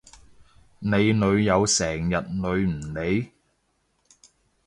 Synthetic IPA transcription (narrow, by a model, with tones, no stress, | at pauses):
ne˨˧jnɵ˨˧ɥjɐ˨˧wsɛː˨˩ŋjɐ˨t̚nɵ˨˧ɥm̩˨˩ne˨˧j